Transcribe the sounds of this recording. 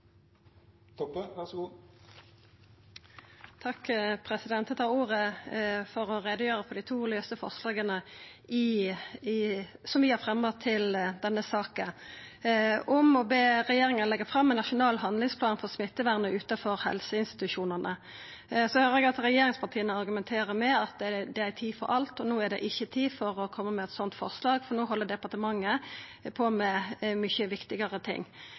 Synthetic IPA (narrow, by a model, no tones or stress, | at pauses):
t̪ʰɔʋæs | t̪ʰɑkːpʰʁɛsɪd̪ɛnt̪ət̪ʰɑːʁuːʁəfɔʁɔʁɛd̪əjøːʁəpʰɔd̪æɪt̪ʰuːløːst̪əfɔ̰ʁslɑːɡənəɪ | sɔmʋɪhɑʁɾfʁɛmɔt̪ʰːɪld̪ɛnːəsɑːkə | ɔmɔbeːɾɛjeːɾɪŋənlɛɡːəfɾɑmːɛnɑʂʊnɑːlɦɑnd̪lɪŋspʰlɑːnfɔʁsmɪt̪ːəʋæʁnəʔʉːt̪ɑfɔɾhɛ̰lsəɪnst̪ɪ̥t̪ʉʂuːnəʁnə | sɔhøːɾəɛɡɑt̪ɾɛjeːɾɪŋspʰɑʁt̪ʰiːənəɑɾɡʉmɛnt̪ʰeːɾəmɛɑt̪̚d̪ɛd̪ɛæɾt̪ʰiːfɔ̰ɾʔɑlt̪ɔnoːæɖɛ̰ʔɪçːət̪ʰiːfɔɾɔkʰɔmːəmɛɛt̪sɔnt̪fɔ̰ʁslɑːɡfɔɾnoːɦɔlːəd̪ɛpɑʁʈ̪əmɑŋːəpʰɔmɛmʏçəʋɪkt̪ɪɡəʁət̪ʰɪ̰ŋː